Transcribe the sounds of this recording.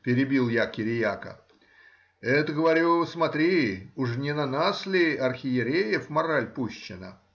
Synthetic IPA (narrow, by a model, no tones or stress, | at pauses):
pʲɪɾʲɪbʲilˠjakʲɪɾʲɪjakə̰ | ɛt̪əɡəvɐɾʲusmɐt̪ɾʲiuʂnʲɪnɐnaslʲɪɐrxʲɪjɪɾʲejɪfmɐɾalʲpuɕːɪnə̰